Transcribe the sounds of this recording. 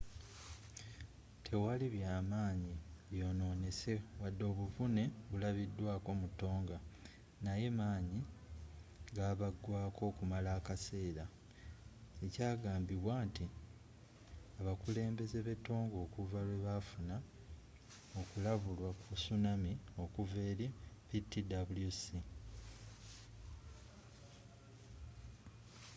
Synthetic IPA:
tʰe̞waliβjaːmaːɲiβjo̞ːno̞ːne̞se̞wadːo̞ːβuvune̞βulaβidːwaːko̞mutːo̞ːŋɡa | naje̞maːɲi | ɡaːβaɡwaːko̞ːkumalaːkase̞ːɾa | ecaːɡaːmbiβwaːnti | aβakule̞ːmbe̞ze̞βe̞to̞ːŋɡo̞ːkuvalwe̞βafuna | o̞kulaβulwakusunamio̞kuve̞ːɾepitːidabuljusi

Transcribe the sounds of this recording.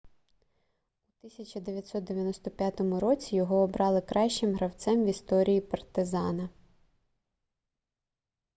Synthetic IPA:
ut̪ɪsʲɐt͡ʃʲɐd̪eʋʲjɐt̪ʲsɔt̪̚d̪eʋʲjɐnɔst̪ɔpʲjat̪ɔmʊɾɔt͡sʲijɔɦɔːbɾɑlˠɪkɾʔɑʃt͡ʃɪmɦɾɐwt̪sɛmʋʲist̪ɔɾʲijipɐrt̪ɪzɑnɐ

